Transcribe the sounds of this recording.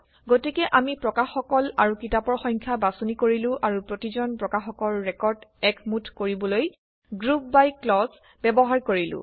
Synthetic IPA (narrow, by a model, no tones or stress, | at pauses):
ɡotikɛʔamipɹɔkaxɔkɔlaɹukitapɔɹxɔ̃jŋkʰjabasonikoɹilʊ̃ʔaɹupɹotizɔnpɹɔkaxɔkɔlɹɛkɔɹdɛkʰmutʰkoɹibɔloj | ɡɹup̚bajklɔs | bɛbɔɦaɹkoɹilʊ̰̃